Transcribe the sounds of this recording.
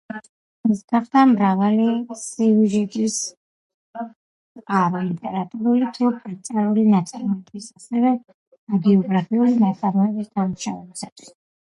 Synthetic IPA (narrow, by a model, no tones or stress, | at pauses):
ɛsɡ̥aχd̪ʰamɾavalisiuʒɛt̪ʼis | qʼaɾilit̪ʼɛɾat̪ʼuɾulit̪ʰupʼɾit̪sʼaɾulinat̪sʼaɾmɔɛbisasɛvɛ | aɡɛɔɡɾapʰiulinat̪sʼaɾmɔɛbisd̪amuʃavɛbisat̪ʰwi̥s